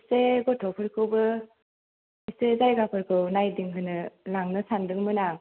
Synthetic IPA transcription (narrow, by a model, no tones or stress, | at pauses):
seɡɔtʰɔpʰɯɾkʰɯwbɯ | isezajɡapʰɯɾkʰɯwnajdiŋkʰɯnɯlaŋnɯsandɯŋmɯna